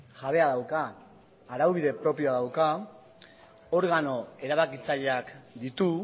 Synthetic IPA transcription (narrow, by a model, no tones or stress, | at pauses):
ʝaβ̞e̞aðawkaː | ɾawβiðe̞pɾo̞pio̞aðawka | o̞ɾɣano̞e̞ɾaβakit͡saʎeakd̪it̪u